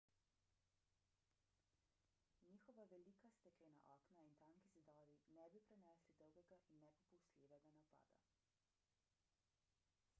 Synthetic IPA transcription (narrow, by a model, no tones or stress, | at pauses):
ɲiːxɔʋaʋɛliːkast̪ɛkɛna̰ʔɔːknaint̪aŋkizid̪ɔːɾinɛbipɾɛnɛslid̪ɔwɡɛɡaʔinːɛpɔpɔwst̪lʲeʋɛɡanapa̰ːd̪a̰